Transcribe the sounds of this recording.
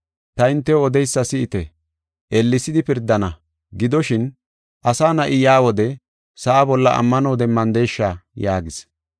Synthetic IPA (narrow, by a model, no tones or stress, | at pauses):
t̪ɐɪnt̪ːɛɔd̪ɛjsːɐsɪɪt̪ɛ | ʔɛlːɪsɪd̪ɪpɪɾd̪ːɐnɐ | ɡɪd̪ɔʃɪn | ʔɐsaːnɐʔɪjaːwɔd̪ɛ | sɐʔabɔlːɐʔɐ̰mːɐnoːd̪ɛmːɐnd̪e̞ːʃːajaːɡɪs